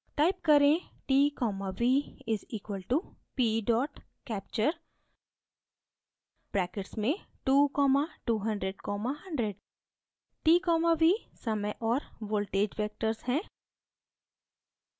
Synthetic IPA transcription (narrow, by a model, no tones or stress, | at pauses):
ʈaːɪp̚kɐɾẽ | ʈiːkɔːmaʋiːɪziːkwəlʈupiːɖɔːʈ | kɛːp̚t͡ʃəɾ | b̥ɾɛːkɪʈsmẽ | ʈuːkɔːmaʈuːɦɐ̃ɳɖɾeɖkɔːmaɦɐ̃ɳɖɾeɖ | ʈiːkɔːmaʋisɐməjʔɔːɾʋoːlʈeːd͡ʒʋeːk̚ʈəɾzhɛ̃ː